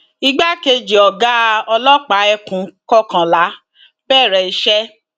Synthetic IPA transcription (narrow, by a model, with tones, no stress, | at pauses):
i˧ɡ͡ba˦ke˧d͡ʒi˨ɔ˨ɡa˦ɔ˧lɔ˦k͡pa˨˦ɛ˧kũ˨˦kɔ˦kã˨la˨˦ | b̥ɛː˦˨ɾɛ˨i˧ʃɛ˦